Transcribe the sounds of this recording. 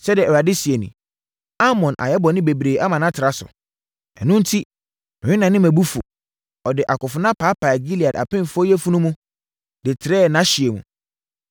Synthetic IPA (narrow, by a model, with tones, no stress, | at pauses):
sɛ˦dɪɛ˨ɛ˨wa˨dɪ˦si˨e˨nḭ̃˨ | a˦mɔ̃˨nʔa̰˨jɛ˦bɔ˨nɪ̃˦be˨bɾeː˨ʔa˦mã˨nã˦tʰɪ˨ɾa˦sʊ̰˨ | ɛ̰˨nũ˦n̩˦tʰi˦ | nɪ̃˨˦ɪ˦nã˨nɪ̃˦mæ̃˨bu˦fʊ̰˨ | ɔ˨dɪ˨ʔa˨kʊ˨fʊ˨nã˦pʰaː˨˦pʰa˨ɡi˦li˨a˨da̰˨pʰɪ̃˦m˨fʊ˦ɔ˦jɛ˦fu˦nũ˦mũ˦ | dɪ˨tʰɪ˨ɾɛː˦˨nã˨˦ɕi˨e˨mṵ̃˨